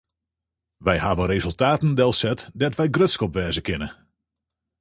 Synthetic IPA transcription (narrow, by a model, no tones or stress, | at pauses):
ʋɛjhaːʋəɾezɵlˠtaːtəndɛlˠsɛtdɛtʋɛjɡrøtskɔpʋɛːzəkɪnə